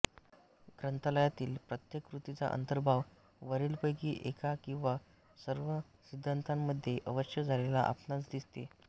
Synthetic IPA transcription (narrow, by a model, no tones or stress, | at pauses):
ɡɾənt̪ələjat̪iːlpɾət̪jekɾut̪it͡sa̰ʔə̰nt̪əɾbʱaʋ | ʋəɾiːlpəjkiːʔekakĩw̃ʋa | səɾʋə | sid̪ʱːant̪amːəd̪ʱːjeʔəʋəɕjəd͡zʱalela̰ʔa̰pnat͡sd̪ist̪e